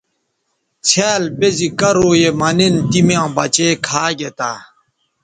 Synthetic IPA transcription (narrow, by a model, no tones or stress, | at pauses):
t͡sʰæːlbezikɐɾoːjemɐnint̪imjãːbɐt͡ɕeːkʰaːɡet̪aː